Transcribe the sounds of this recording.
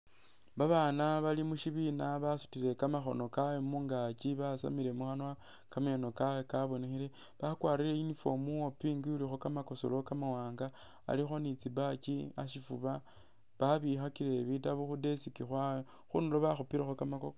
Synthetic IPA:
βaβaːnaβalimuʃiβinaβasu̥tiɾe̞kamaxo̞̰no̞kajomuːŋɡat͡ʃiβasa̰miɾe̞muxanwa | kamaeno̞kawekaβo̞nexiɾe | βakwaːɾile̞inifo̞muopiːŋɡiulixo̞kamako̞so̰lo̞kamawaːŋɡa | a̰lixo̞nit͡sibat͡ʃia̰ʃifuβa | βaβixakiɾe̞βitaβuxude̞sikixwajo | xṵnuloβaxupiɾexokamakok

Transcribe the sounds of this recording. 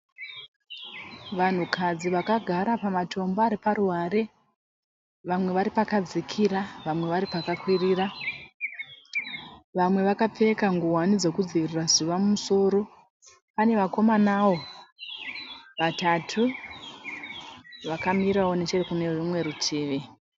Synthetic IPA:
ʋan̤ukʰad͡ziʋakaɡʱaɾapamatʰo̞mbaɾiparuɦaɾe̞ | ʋamwe̞ʋaɾipakad͡zikʰiɾaʋamwe̞ʋaɾipakakwiriːra | ʋamwe̞ʋakap͡fe̞kaŋɡuɦwanid͡zo̞kud͡ziʋirirazuʋamumuso̞ːɾo̞ | pane̞ʋako̞manawo̞ | ʋatatʰu | ʋakamiɾawo̞ne̞t͡ʃerekune̞ʐumwe̞ɾutʰiːʋi

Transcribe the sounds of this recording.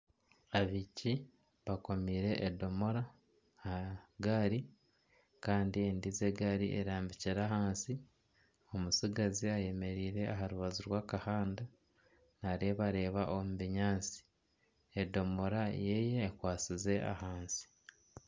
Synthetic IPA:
aβici | βako̞miːɾe̞ʔːdo̞mo̞ɾa | aɡaɾi | kaːndiendize̞ɡaɾḭʔḛɾaːmbiciɾahaːnsi | o̞musiɡaziaje̞me̞ɾiːɾe̞aɦaɾuβaziɾwaːkahaːnda | naɾeβaɾe̞ːβaʔomuβiɲaːt͡si̥ | edo̞mo̞ɾaje̞je̞ːkwaːt͡size̞ʔa̰haːnsi̥

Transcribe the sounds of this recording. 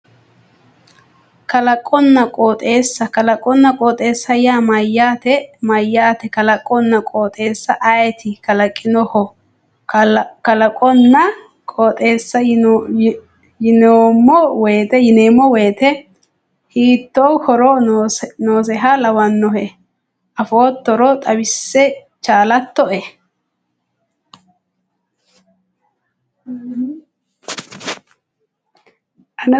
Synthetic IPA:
kɐlɐkʼːɔnːɐkʼoːt̪ʼeːsːɐkɐlɐkʼːɔnːɐkʼoːt̪ʼe̞ːsːɐjaːmɐjːaːt̪ɛmɐjːaːt̪ɛkɐlɐkʼːɔnːɐkʼoːt̪ʼe̞ːsːɐʔɐjt̪ʰɪkɐlɐkʼːɪnɔhɔ | kɐlɐkʼɔnːɐ | kʼɔːt̪ʼe̞ːsːɐ | jɪnoːmːɔwɛːt̪ɛjɪneːmːɔwɛːt̪ɛ | hiːt̪ːoːhɔɾɔnoːs̬ɛɦɐlɐwɐnːɔɦɛ | ʔɐfoːt̪ːɔɾɔt̪ʼɐwɪsːɛ | t͡ʃaːlɐt̪ːɔʔɛ | ʔɐn

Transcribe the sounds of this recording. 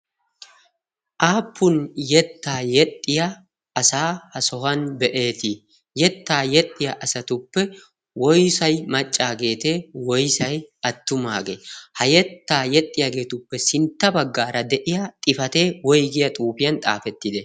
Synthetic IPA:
ʔaːpːʊnjɛt̪ːaːjɛt̪ʼːɪjɐ | ʔɐsaːhɐsɔhɐnbɛʔe̞ːt̪ɪ | jɛt̪ːaːjɛt̪ʼːɪjaʔɐsɐt̪ʊpːɛ | wɔjsɐjmɐt͡ʃʼːaːɡe̞ːt̪e̞ːwɔjsɐjɐt̪ːʊmaːɡeːhɐjɛt̪ːaːjɛt̪ʼːɪjaɡe̞ːt̪ʊpːɛsɪnt̪ːɐbɐɡːaːɾɐd̪ɛʔɪjɐt̪ʼɪfɐt̪e̞ːwɔjɡɪjɐt̪ʼuːfɪjɐnt̪ʼa̰ːfɛt̪ːɪd̪ɛ

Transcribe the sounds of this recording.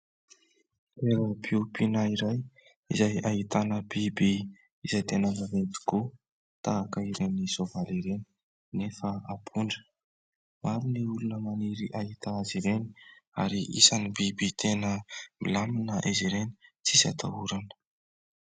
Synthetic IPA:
eɾəbupʰinaiɾaj | izajaɦit̪anəbibi | izajt̪enəmavent̪i̥ku | t̪aːkəiɾenisovaliɾeni̥ | nefəapʰuɳɖ͡ʐə̥ | maɾiniulunəmaniɾiʔaɦit̪aaziɾeni̥a̰ɾiʔḭsanibibit̪ʰenəmḭlaminəʔeziɾenit͡sisa̰t̪ʰa̰uɾanə̥

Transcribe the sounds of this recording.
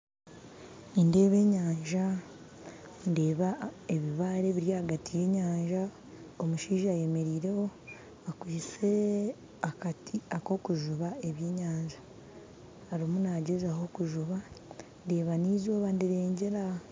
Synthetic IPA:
inde̞ːβe̞ːɲaːɲʒa | nde̞ːβaeβiβaːɾe̞βiɾjahaɡatije̞ːɲaːɲʒa | omuʃiːʒaːje̞me̞ɾiːɾe̞ho̞ | akwiːt͡se̞ | akatiako̞kuʒuβae̞βje̞ːɲaːɲʒaː | ɾimunaːɟezaho̞kuʒuβande̞ːβaniːzo̞ːβandiɾe̞ːɲɟe̞ɾa

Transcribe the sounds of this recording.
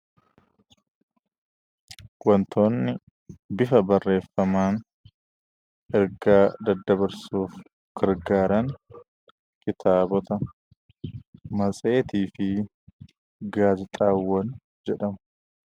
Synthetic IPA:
wɐnt̪ʰo̞ːnːɪ | bɪfɐbɐrːe̞ːfːɐmaːn | ʔɛɾɡaːd̪ɐd̪ːɐbɐɾsuːf | ɡ̥ɐɾɡaːɾɐŋ | kɪt̪ʰaːbɔt̪ɐ | mɐt͡sʼe̞ːt̪iːfɪ | ɡaːd͡ʒɪt̪ʼaːwːɐn | d͡ʒɛᶑɐm

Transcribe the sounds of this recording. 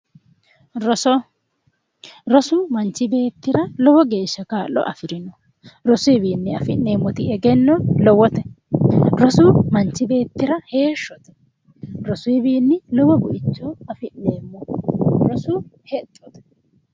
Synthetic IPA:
ɾɔsɔ | ɾɔsʊmɐnt͡ʃːɪbe̞ːt̪ːɪɾɐlɔwɔɡe̞ːʃːɐkaːlɔ̰ʔɐ̰fɪɾɪnɔ | ɾɔsʊɪbiːnːɪɐfɪnːeːmːɔt̪ɪɛɡɛnːɔlɔwɔt̪ɛ | ɾɔsʊmɐnt͡ʃːɪbe̞ːt̪ːɪɾɐhe̞ːʃːɔt̪ɛ̥ | ɾɔsʊɪbiːnːɪlɔwɔbʊʔɪt͡ʃːɔɐfɪnːeːmːɔɾɔsʊhɛt̪ʼːɔt̪ɛ̥

